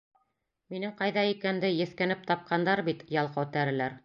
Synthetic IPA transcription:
minɘŋqɑjðɑikænd̪ɘjɘ̆θkænɘp̚t̪ɑp̚qʰɑnd̪ɑɾbit̪jɑlˠqɑt̪æɾɘ̆læɾ

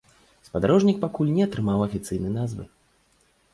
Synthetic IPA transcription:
spad̪aɾɔʐnʲik̚pakulʲnʲɛɐt̪ɾɨmawɐfʲit̪sɨjnɨjnazvɨ̰

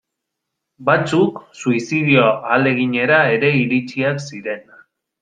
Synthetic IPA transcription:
bat͡suksuisið̞ioale̞ɣiɲe̞ɾae̞ɾe̞iɾit͡siaksiɾe̞n

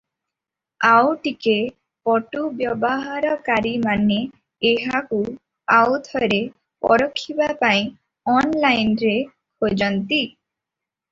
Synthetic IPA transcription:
awʈike | pɔʈubjɔbɔɦaɾɔkaɾimaneː | ɦaku | awt̪ʰɔɾe | pɔ̰ɾɔkʰːibapaĩ | ɔnlajnɾe | kʰod͡ʒɔnt̪i

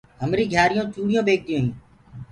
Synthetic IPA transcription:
ɦəmɾiːɡʱjaːɾɪjõːt͡ʃuːɽɪjõːbeːk̚d̪ɪjõːɦĩː

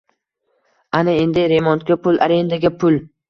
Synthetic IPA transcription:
anɪe̞nd̪ɪɾe̞mɒnt̪̚kʲapʰʊlʔa̰ɾend̪aɡʲapʰʊl

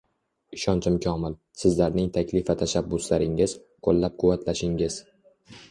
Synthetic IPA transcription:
ɪʃɒnt͡ʃʰɪmkʲʰɒmɪl | sɪzlaɾnɪŋt̪ʰakʲʰlɪfat̪ʰaʃabːʊslaɾɪŋɪz̥ | qʰolˠːap̚qʰʊwːat̪ʰlaʃɪŋɪz̥

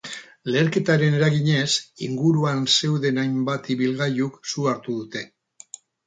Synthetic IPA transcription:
le̞ːɾke̞t̪aɾe̞ne̞ɾaɣiɲe̞siŋɡuɾuanse̞wðe̞najmbat̪iβilɣajuksuaɾt̪uðut̪e̞

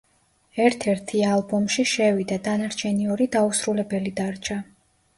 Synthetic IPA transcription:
ɛɾt̪ʰɛɾt̪ʰialˠbɔmʃiʃɛvid̪ad̪anaɾt͡ʃʰɛniɔɾid̪ausɾulɛbɛlid̪aɾt͡ʃʰa

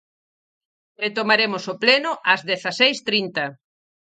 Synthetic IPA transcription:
ret̪omaɾemʊsoplenʊʔɐzðeθasejst̪ɾint̪ɐ

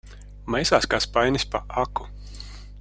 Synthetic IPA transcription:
mɛjsaːskaspajnʲispa̰ʔaku

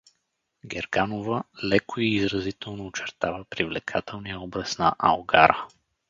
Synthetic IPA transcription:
ɡɛɾɡanovəlɛkʰoiːzɾɐzit̪ɛlˠnoːt͡ʃɛɾt̪avəpɾivlɛkʰat̪ʰɛlˠnijəɔbɾəsnɐʔɐlˠɡaɾə

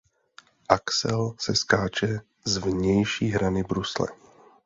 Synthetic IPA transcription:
ʔaksɛlsɛskaːt͡ʃɛ | zvɲɛjʃiːɦɾanɪbɾuslɛ̰

